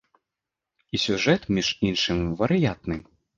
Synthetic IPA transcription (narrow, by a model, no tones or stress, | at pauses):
isʲuʐɛt̪mʲiʂinʂɨmʲvɐɾɨjat̪nɨ